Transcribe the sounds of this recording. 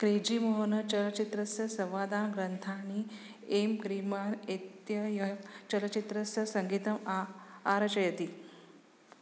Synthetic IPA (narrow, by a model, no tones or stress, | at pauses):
kɾed͡ʑiːmoɦonɐt͡ʃɐlɐt͡ʃit̪ɾɐsjɐsɐʋaːd̪aːnɡɾɐnt̪ʰaːni | emkɾimaːnet̪jɐjɐt͡ʃɐlɐt͡ʃit̪ɾɐsjɐsɐŋɡit̪ɐmaaɾɐt͡ʃɐjɐt̪i